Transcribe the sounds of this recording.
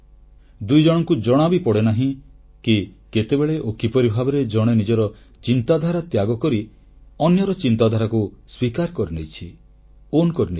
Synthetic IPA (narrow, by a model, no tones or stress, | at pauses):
d̪ujd͡ʒɔɽ̃ɔŋkud͡ʒɔɽ̃abipɔɽenaɦĩ | kiket̪ebeɭeʔokipɔɾibʱabɔɾed͡ʒɔɽ̃enid͡ʒɔɾɔ | t͡ʃint̪ad̪ʱaɾat̪jaɡɔkɔɾi | ɔnjɔɾɔt͡ʃint̪ad̪ʱaɾakuswikaɾkɔɾinejt͡ʃʰi | onkɔɾine